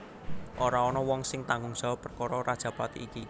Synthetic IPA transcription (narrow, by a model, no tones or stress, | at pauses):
ʔoɾaɔnɔwɔŋsɪŋt̪aŋɡʊŋʒ̥ɔpərkɔɾɔɾad̥ʒ̥ä̤pat̪iiki